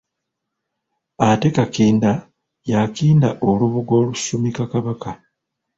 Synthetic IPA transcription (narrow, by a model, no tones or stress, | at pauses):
ate̞kakiːnda | jakiːndaʔoluβuɡo̞ːlusumikakaβaka